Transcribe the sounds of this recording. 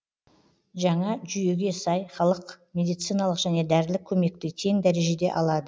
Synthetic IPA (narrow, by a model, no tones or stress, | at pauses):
ʒɑɴɑʒʏje̞ɡʲe̞sɑjχɑlˠəqmʲe̞d̪ijt̪sɨjnɑlˠəqʒ̥æne̞d̪æɾd̪ɪlɪkʲʰːɵme̞k̚t̪ɪt̪ʰe̞ŋd̪æɾe̞ʒe̞d̪e̞̰ʔɑlˠɑd̪ə